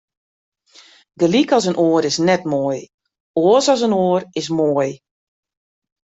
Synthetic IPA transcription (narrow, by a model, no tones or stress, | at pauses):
ɡəlikɔsənʔoːəɾɪsnɛtmoːj | oəsɔs̬ənoːərɪs̬moəj